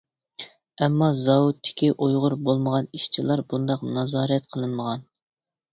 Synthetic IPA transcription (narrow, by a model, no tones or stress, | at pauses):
ɛmːɑzɑwut̪ʰːɪ̥kʲiʔojʁʊɾbolˠməʁɑniʃt͡ʃʰilˠɑɾbund̪ɑqnɑzɑːɾɛt̪qʰəlˠɨnməʁɑn